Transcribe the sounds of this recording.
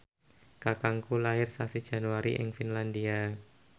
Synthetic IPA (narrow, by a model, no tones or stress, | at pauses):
kakaŋkulaɪrsasid̥ʒ̥a̤nuwaɾḭʔɪ̰ŋfinlandia